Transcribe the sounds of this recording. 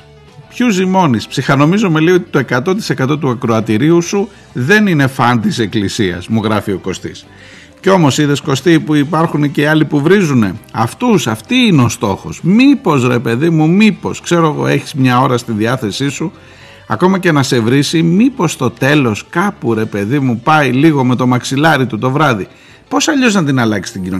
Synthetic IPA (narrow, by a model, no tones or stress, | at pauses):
pçuzimo̞nispsixɐno̞mizome̞lio̞t̪i̥t̪o̞ekɐt̪o̞t̪̬i̥sekɐt̪o̞t̪uɐkɾoɐt̪iɾiusu | ðe̞nine̞fɐnd̪ise̞klisiɐ̰zmuɣɾɐfio̞ko̞st̪ḭs | ceo̞mo̞siðe̞sko̞st̪ipuipɐɾxuneceiɐlipuvɾizune̞ɐft̪usɐft̪iineo̞st̪o̞xo̞̰smipo̞zɾe̞pe̞ðimumipo̞skse̞ɾoeɣo̞̰e̞çizmɲɐo̞ɾɐst̪iðiɐθe̞sisu | ɐ̰ko̞mɐce̞nɐse̞vɾisimipo̞st̪o̞t̪e̞lo̞skɐpuɾe̞pe̞ðimupɐjliɣo̞me̞t̪o̞mɐksilɐɾit̪ut̪o̞vɾɐði | po̞sɐʎo̞znɐt̪̬inɐlɐki̥st̪iɟino